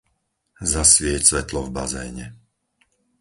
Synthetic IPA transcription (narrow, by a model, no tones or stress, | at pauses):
zasʋɪɛcsʋɛt̪lɔvbazɛ̰ːɲɛ